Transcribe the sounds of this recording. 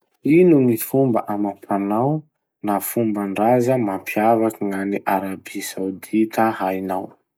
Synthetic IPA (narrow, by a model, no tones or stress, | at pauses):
inuŋifumbə̰ʔamapʰanaw | nafumbaɳɖ͡ʐazəmampʰjavakiŋaniʔaɾabisawd̪it̪əhajnaw